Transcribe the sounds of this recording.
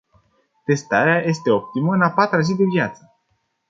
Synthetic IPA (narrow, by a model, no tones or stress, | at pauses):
t̪e̞st̪aɾeaje̞st̪e̞o̞p̚t̪iməɨnapat̪ɾazid̪evjat̪sə̥